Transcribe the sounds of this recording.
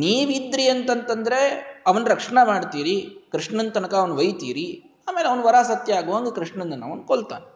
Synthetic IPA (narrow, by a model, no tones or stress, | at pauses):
niːʋid̪ɾiɐnt̪ɐnt̪ɐnd̪ɐɾe̞ɐʋɐnɾɐkʂɐɳɐmaːɖt̪iːɾikɾiʂɳɐnt̪ɐnɐkɐːʋɐnʋɐjt̪iːɾi | aːme̞ːleɐʋɐnʋɐɾaːsɐt̪jɐaːɡuʋaːŋɡekɾiʂɳɐnd̪ɐnːɐ̰ʋɐnkoɭt̪a̰ːn